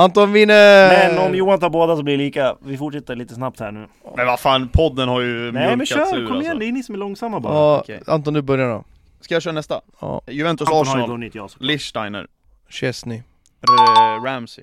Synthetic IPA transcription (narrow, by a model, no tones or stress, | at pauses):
ant̪ɔviːnɛmɛnɔmjuːant̪haːɾboːd̪asɔblɪɭiːkavɪfʊʈʂɛt̪ːəɭiːt̪əsnap̚t̪hæ̰ːɳʉ̟ː | mɛnvafaːnpʰɔd̪ːənhaɾjɵnmɛmɛaœːʉːkɾʰɔɛnd̪ɛjniːsɔmɛlɔŋsamːab̰aa̰nt̪ɔːnd̪ʉbœɾjaɾɔ̰ | skajaːʃ̬œːɾanɛst̪a̰ | ɔ̰ːjʉvɛnt̪ʊsɑːʂnɔːlɪslɪʂtajnə̰ɾ | ɕɛsnɪ | ɾæmsɪ̰